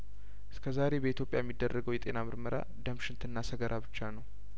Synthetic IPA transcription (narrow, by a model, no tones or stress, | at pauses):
ʔɨskʰəzaɾe̞bəit̪jo̞pʼjajɛmːid̪ːərːəɡəwjɛt̪ʼenamɨɾməɾʔa̰d̪əmʃɪnt̪ʰɨnːasəɡəɾʔabɨt͡ʃːanəw